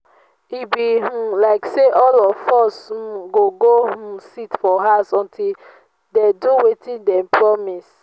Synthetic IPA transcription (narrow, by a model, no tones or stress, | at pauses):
ibiɦũlaɪkseʔɔlɔvfɔshũɡoɡohũsitfɔɦasɔ̃ntʰil | deduwetĩndɛ̃mpɹɔmis